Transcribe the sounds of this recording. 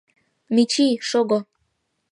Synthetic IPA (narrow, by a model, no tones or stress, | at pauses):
mit͡ɕiʃoɡo